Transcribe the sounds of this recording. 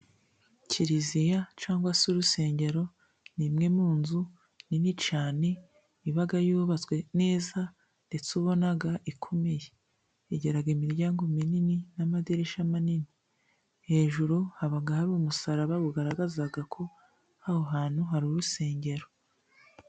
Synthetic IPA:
cʰiɾizijat͡ʃaːŋɡwasuɾuse̞ːɲɟe̞ɾo̞ | nimŋe̞muːnzu | ninit͡ʃaːne | iβaɡajuːβat͡swe̞ne̞ːza | nde̞t͡suβo̞naɡaʔikʰo̞me̞je | eɟe̞ɾaɡimiɾɟaːŋɡo̞minininamadiɾeʃamanini | he̞ːʒuɾuhaβaɡahaɾuːmusaɾaβaβuɡaɾaɡazaɡakʰo̞ | hahoɦaːn̥huɦaɾuɾuse̞ːɲɟe̞ɾo̞

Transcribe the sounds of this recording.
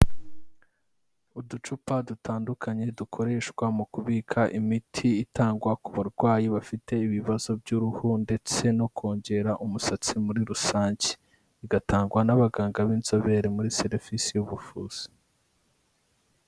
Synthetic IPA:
udut͡ʃupadutaːndukʰaɲe̞dukʰo̞ɾe̞ːʃkwamukuβiːkʰaʔimitʰiːtaːŋɡwakuβaɾɡwaːjiβafitʰe̞iβiβazo̞bɟuɾuhunde̞t͡se̞no̞kʰo̞ːɲɟe̞ɾaʔumusat͡simuɾiɾusaːɲci̥ː | ɡataːŋɡwanaβaɡaːŋɡaβiːnzo̞βe̞ɾemuɾise̞ɾvisijuβufuːz̥i̥

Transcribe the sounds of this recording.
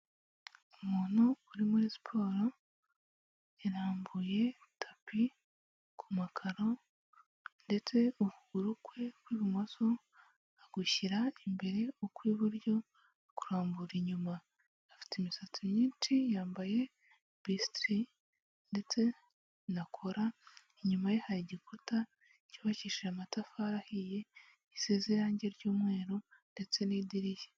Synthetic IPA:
umuːn̥huːɾimuɾisi̥pʰo̞ːɾo̞ | eɾaːmbuje̞tʰapʰi | kʰumakʰaɾo̞ | nde̞t͡se̞ukuɡuɾukwe̞kwiːβimaso | aɡ̥uçiɾaimbe̞ɾe̞okwiːβuɾjo̞ | kuɾaːmbuɾiɲumaː | fi̥timisatuɲiːnt͡ʃijaːmbaje̞ | bistɾi | nde̞t͡se̞ | nakʰoɾa | iɲumajehaɾiɟikuta | ciβaciʃiamatafaɾahije̞ | iseziɾaːɲɟe̞ɾɟuːmŋe̞ːɾonde̞t͡se̞niːdiɾiʒe̥

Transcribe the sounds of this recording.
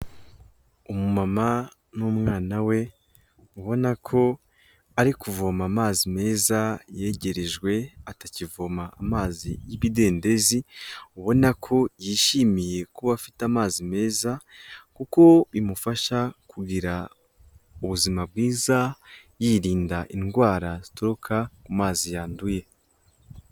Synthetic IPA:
umumama | numŋaːnawe̞ | uβo̞nakʰo̞ | aɾikuvo̞maːmaːzime̞ːzaje̞ɟe̞ɾe̞ʒɡwe̞atacivo̞maːmaːzḭjiβide̞ːnde̞ziuβo̞nakʰo̞jiːʃimije̞kuβafitamaːzime̞ːzakuko̞imufaʃakʰuɡiɾa | uβuzimab̚ɡiːzajiːɾiːndaʔinɡwaːɾazitoɾukʰakumaːzijaːnduje̞

